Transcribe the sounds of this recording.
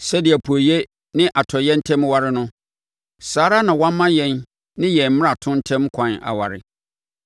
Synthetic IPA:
sɛ˦dɪ˨ɛ˨pʰu˨o˨je˦ | nɪ̃˦ʔa˨tʰɔ˨jɛ˦n̩˦tʰɛ̃˦mwa˨ɾɪ˦nʊ̃˦ | saː˨˦ɾa˦nã˨wã˦m˦mːã˦jɛ̃˨n | nɪ̃˦jɛ̃˨m̩˦m̃˦a˨tʰʊ̃˦n̩˦tʰɛ̃˦mkʰʷã˨na̰˨wa̰˨ɾɪ̰˨

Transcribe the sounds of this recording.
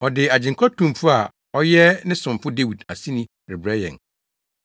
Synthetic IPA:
ɔ˨dɪ˨a˨d͡ʑɪ̃˨ŋ˨kʰa˦tʰũ˨mfʊ˦a˨ | ɔ˦jɛ˦nɪ̃˦sʊ̃˨mfʊ˦de˦wi˨da˨sĩ˦nĩ˦ | ɾɪ˨bɾɛ˦jɛ̰̃˨n

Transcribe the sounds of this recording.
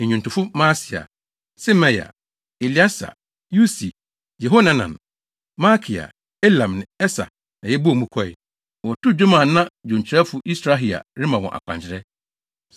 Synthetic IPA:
e˨ɲᶣũ˨n˨tʰʊ̃˨fʊ˦mãː˦si˨a̰˨ | sɪ˦mɛ˦ja̰˨ | e˨li˨˦a˦sa̰˨ | ju˦si˨ | jɛ˨ɦo˦nã˦nã̰˨n | ma˦kʰi˨a̰˨ | e˦lã˨mnɪ̃˨ɛ˦sa̰˨ | nã˨jɛ˦bu˦a˨mũ˦kʰɔ˦ɪ̰˨ | wɔ˨tʰʊ˦d͡ʑᶣo˦mã˨nã˦d͡ʑõ˨ɲ˨t͡ɕʰɪ˨ɾɛ˦fʊ˨˦ʔi˦sɾa˦ɦi˨a̰˨ɾɪ̃˦mã˨wɔ̰̃˨ʔa̰˨kʷʰã̰˨ɲt͡ɕʰɪ˨ɾɛ˦

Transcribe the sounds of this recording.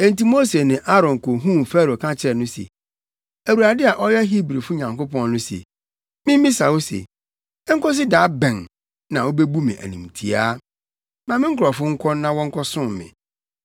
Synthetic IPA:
ɛ̃˨nti˦mo˦se˨nɪ̃˨ʔa˦ɾɔ̃˨ŋ˨kʰo˨ɦũ˦˨m˨fɛ˦ɾo˨kʰã˦t͡ɕʰɪ˨ɾɛ˨nʊ̃˦sḛ˨ | æ˨wu˨ɾa˨dɪ˦a˨ʔɔ˦jɛ˦ɦi˦bɾi˨fʊ˦ɲã˨ŋko˦pɔ̃˦n˦ʊ̃˦sḛ˨ | mɪ̃˦m˦mĩ˦sa˨wo˦sḛ˨ | ɛ˦ŋ̩˦kɔ˦s̬ɪ˦daː˨˦bɛ̃˨n | nã˨wo˦be˦bu˦mɪ̰̃˨ʔæ̰˨nĩ˨m˨tʰi˨aː˦ | mã˨mɪ̃˦ŋ̩˦kʰɾɔ˨fʊ˦ŋ̩˦kʰɔ˦nã˦wɔ̃˦ŋ̩˦kʰɔ˦sʊ̃˦m˨mɪ̰̃˨

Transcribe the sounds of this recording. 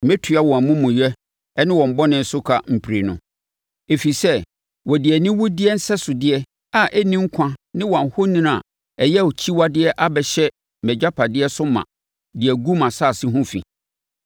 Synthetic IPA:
mɛ̃˦tʰɥa˦wɔ̃˨æ˨mũ˦mũ˨jɛ˦ | ɛ˦nɪ̃˦wɔ̃˨m̩˨bɔ˦nɪ̃˦n̩˦sʊ˦kʰa̰˨m̩˨pʰɾe˨nʊ̃˨ | e˨fi˨sɛ˦ | wɔ˨dɪ˨ɛ˨nɪ̃˦wʊ˦dɪ˦ɛ˦n̩˦sɛ˦sʊ˨dɪ˦ɛ˦ | a˨ʔɛ˦nĩ˦ŋ̩˦kʰã˦nɪ̃˦wɔ̃˨n˨hʊ˦nĩ˦n˦a̰˨ | ɛ˨jɛ˦˨o˨t͡ɕʰi˦wa˦dɪ˦ɛ˦ʔa˦bɛ˨ɕɛ˦ | mɛ˨d͡ʑᶣa˦pʰa˨dɪ˦ɛ˦sʊ˦mã̰˨ | dɪ˨ɛ˨ɡu˦mã˨saː˦˨sɪ̃˦ɦʊ̃˦fḭ˨

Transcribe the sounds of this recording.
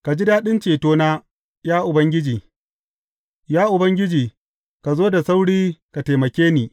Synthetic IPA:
ka˨d͡ʒi˦daː˦ɗɪ˦nt͡ʃeː˨toː˦naː˦ | jaː˦ʔʊ˨bɐ˦ŋɡʲɪ˦d͡ʒiː˨ | jaː˦ʔʊ˨bɐ˦ŋɡʲɪ˦d͡ʒiː˨ | ka˨zoː˦da˨sa˦wɽiː˦ka˨ta˨mɐ˨kʲeː˦niː˨

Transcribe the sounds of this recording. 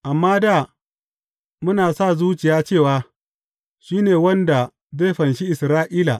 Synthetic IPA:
ʔa˨mːaː˦da˦˨ | mʊ˦naː˨sa˦˨zuː˦t͡ʃɪ˨jaː˦t͡ʃeː˦˨waː˦ | ʃiː˦neː˨wɐ˦nda˨ | zeː˦˨ɸɐ˨nʃi˦ʔɪ˨sɾaː˦ʔiː˦la̰˨

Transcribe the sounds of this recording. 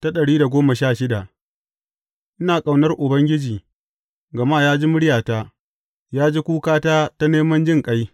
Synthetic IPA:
ta˦ɗɐ˨ɽiː˦da˨ɡʷoː˦mɐ˨ʃaː˦˨ʃɪ˦da˨ʔ | ʔɪ˦naː˨kʼa˨wnɐ˦rʔʊ˨bɐ˦ŋɡʲɪ˦d͡ʒiː˨ | ɡɐ˨maː˦˨jaː˦d͡ʒi˦mʊ˦ɽɪ˦jaː˨taː˦ | jaː˦d͡ʒi˦kʷuː˦kaː˦taː˦ta˦neː˦mɐ˦nd͡ʒɪ˦ŋkʼa˦j

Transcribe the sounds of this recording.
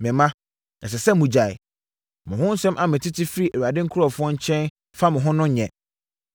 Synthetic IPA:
mɪ̃˨mã˦ | ɛ˨s̬ɛ˨sɛ˦˨mũ˨d͡ʑa˨ɪ̰˨ | mʊ̃˨ɦʊ̃˦n̩˦sɛ̃˦mʔa˦mɪ̃˨tʰɪ˦tʰɪ˦fɪ˦ɾi˦e˨ɥu˨a˨dɪ˦ŋ̩˦kʰʊ˦ɾɔ˨fʊ˦ɔ˦ɲ̩˦t͡ɕʰɛ̃˦n | fa˦mʊ̃˨ɦʊ̃˦nʊ̃˦ɲɛ̰̃˨

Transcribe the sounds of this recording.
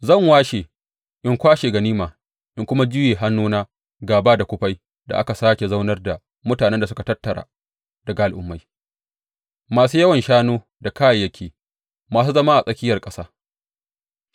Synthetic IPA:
zɐ˦˨ŋwaː˦ʃe˨ | ʔɪ˦ŋkʷaː˦ʃeː˨ɡɐ˨niː˦maː˨ | ʔɪ˦ŋkʷʊ˦ma˦d͡ʒʊ˦jeː˨ɦa˦nːuː˦naː˦ | ɡaː˨baː˦da˨kʷʊ˦ɸa˦j | da̰˨ʔa˦ka˨saː˦kʲe˨za˦wnɐ˦rda˨ | mʊ˦taː˨nɛ˦nda˨s̬ʊ˦ka˨tɐ˦tːɐ˨ɾa̰ː˨ | d̥ɐ˨ɡa˨ʔa˨lʔʊ̰˦mːa˨j | maː˨suː˦jɐ˦wɐ˨nʃaː˦noː˦ | da˨kaː˦ja˨jɐ˦kʲʰeː˨ | maː˨s̬uː˦zɐ˦ma˦ʔa˨sʼɐ˦kʲɪ˦jɐ˨rkʼɐ˦saː˦

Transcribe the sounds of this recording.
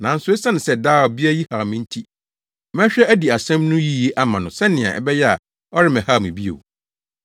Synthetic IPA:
nã˨n̩˦sʊ˦e˦sa˦nɪ̃˨sɛ˨daː˦wɔ˨bi˦a˦ji˦ha˨mɪ̃˦n̩˦tʰi˦ | mɛ̃˦ɕᶣɛ˦æ˦di˨a˨sɛ̃˦mnʊ̃˦ji˦˨je˦ʔa˦mã˨nʊ̃˨sɛ˦nɪ̃˨ã̰˨ɛ̰˨bɛ˦jɛ˦a̰˨ | ɔ˦ɾɪ˦mɛ̃˨ha˦˨mĩ˨bi˦ḛ˨w

